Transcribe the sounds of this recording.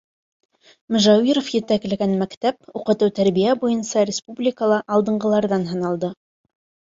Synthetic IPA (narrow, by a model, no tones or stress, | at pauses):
mɵ̆ʒæwiɾofjɘ̆t̪æɡlæɡænmækt̪æp̚uqɤ̆t̪ɤwt̪æɾbijæbujɤnsɑɾʲɪspublʲɪkəlˠɑʔɑlˠd̪ɤ̆ɴɢɤ̆lˠɑɾðɑnɦɤ̆nɑlˠd̪ɤ